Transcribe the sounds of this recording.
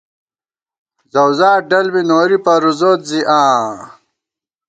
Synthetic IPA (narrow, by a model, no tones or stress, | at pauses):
zɐwzaːɖɐlbinoːɾipɐɾuzoːt̪ziʔãː